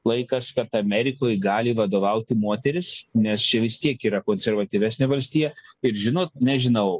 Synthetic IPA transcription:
lˠɐɪkɐskɐt̪ɐmʲɛɾʲɪkoːjɡɑːlʲɪʋɐd̪oːʋɐʊt̪ʲɪmoːt̪ʲɛɾʲɪsnʲɛst͡ʃʲɛʋʲɪst̪ʲiɛkiːɾɐkoːnʲsʲɛɾʋɐt̪ʲiʋʲæːsʲnʲeʋɐlʲsʲt̪ʲiːjɛɪɾʒʲɪnoːt̪̚nʲɛʒʲɪnɐʊ

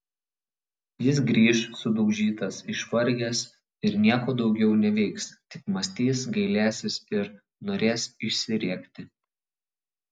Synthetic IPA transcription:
jɪs̬ɡɾʲiːʃsʊd̪ɔʊʒʲiːt̪ɐsɪʃʋɐɾʲɡʲɛs | ɪɾnʲiɛkoːd̪ɒʊɡʲɛʊnʲɛʋʲɛɪkst̪ʲɪkmɐsʲt̪ʲiːsɡɐɪlʲæːsʲɪsɪɾ | noːɾʲeːsɪʃʲsʲɪɾʲiɛkt̪ʲɪ

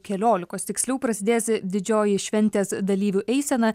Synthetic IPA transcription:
kʲɛlʲoːlʲɪkoːst̪ʲɪksʲlʲuːpɾɐsʲɪd̪ʲeːsd̪ʲɪd͡ʒʲoːjɪʃʲʋʲɛnʲt̪ʲeːsd̪ɐlʲiːʋʲuʔɛɪsʲɛnɐ

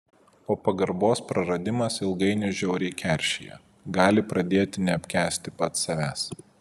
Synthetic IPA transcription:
poːpɐɡɐɾboːspɾɐɾɐd̪ʲɪmɐsɪlˠɡɐɪnʲʊʒʲɛʊɾʲɛɪkʲɛˑɾʲʃʲɪjɛ̰ | ɡɑːlʲɪpɾɐd̪ʲeːt̪ʲɪnʲɛɐpʲkʲæːsʲt̪ʲɪpɐt̪sɐʋʲæːs

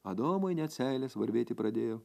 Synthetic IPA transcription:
ɐd̪oːmɐɪnʲɛt̪sʲæɪlʲɛsʋɐɾʲʋʲeːt̪ʲɪpɾɐd̪ʲeːjoː

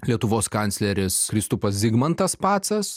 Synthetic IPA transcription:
lʲiɛt̪ʊʋoːskɐnʲtsʲlʲɛɾʲɪskɾʲɪst̪ʊpɐszʲɪɡmɐnt̪ɐspɑːt̪sɐs

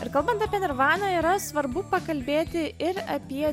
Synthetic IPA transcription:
ɪɾkɐlˠbɐnt̪ɐpʲiɛnɪɾʋɑːnɐːiːɾɐsʋɐɾbʊpɐkɐlʲbʲeːt̪ʲɪɪɾɐ̰pʲiɛ

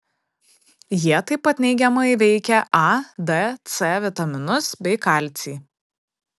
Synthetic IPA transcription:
jiɛt̪ɐɪpːɐt̪nʲɛɪɡʲɛmɐɪʋʲɛɪkʲɛʔɑd̪ɛt̪sʲɛʋʲɪt̪ɐmʲɪnʊsbʲɛɪkɑˑlʲt̪sʲiː

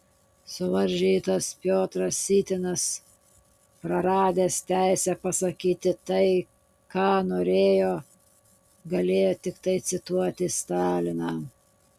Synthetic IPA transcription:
sʊʋɐɾʲʒʲiːt̪ɐspʲjoːt̪ɾɐsːʲiːt̪ʲɪnɐs | pɾɐɾɑːd̪ʲeːst̪ʲæɪsʲɛpɐsɐkʲiːt̪ʲɪt̪ɐɪ | kɑːnoːɾʲeːjoː | ɡɐlʲeːjoːt̪ʲɪkt̪ɐɪt̪sʲɪt̪uɔt̪ʲɪst̪ɑːlʲɪnɑː

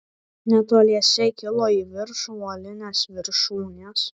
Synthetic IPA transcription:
nʲɛt̪oːlʲiɛsʲɛkʲɪlˠoːiːʋʲɪɾʃʊɔlʲɪnʲeːsʋʲɪɾʃuːnʲeːs

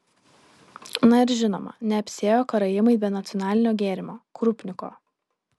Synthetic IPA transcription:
nɐɪɾʒʲɪno̰ːmɐ̰nʲɛɐpʲsʲeːjoːkɐɾɐjɪmɐɪbʲɛnɐt̪sʲɔnɑːlʲɪnʲoːɡʲeːɾʲɪmoːkɾʊpʲnʲɪko̰ː

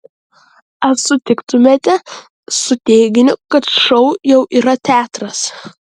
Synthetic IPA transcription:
ɐsʊt̪ʲɪkt̪ʊmʲeːt̪ʲɛ | sʊt̪ʲeːɡʲɪnʲʊkɐt̪ʃɐʊjɛʊʔiːɾɐt̪ʲæːt̪ɾɐs

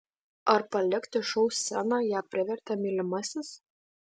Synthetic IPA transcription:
ɐɾpɐlʲɪkt̪ʲɪʃɔʊsʲsʲænɑːjæːpʲɾʲɪʋʲɛɾʲt̪ʲɐmʲilʲɪmɐsʲɪs

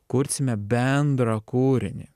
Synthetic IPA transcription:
kʊɾʲsʲɪmʲɛbʲɛnd̪ɾɐkuːɾʲɪ̰nʲɪ̰

